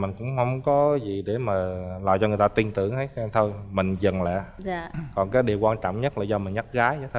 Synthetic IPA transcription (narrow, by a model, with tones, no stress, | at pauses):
mï˨˩ŋ̟kʊ̰˧˥ŋ͡mhə˧wŋ͡mkɔ˨˦zi˨˩ɗe˧˩maː˨˩laː˨jt͡ɕɔ˧ŋɨ˨˩əjt̪a˧t̪i˧ənt̪ɨ˧˩əŋʰa˨˦jɛ˧t̪ʰo˧jmï˨˩ŋ̟zə˨˩nlɛ̰ː˧˨aː˧˨kɔ˨˩nkaː˨˦jɗi˨˩əwkwaː˧nt͡ɕɔ̰˧˨wŋ͡mɲə˦˥t̚laː˨˩zɔ˧mï˨˩ŋ̟ɲa˦˥t̚ɣaː˨˦ja˨˦t̪ʰ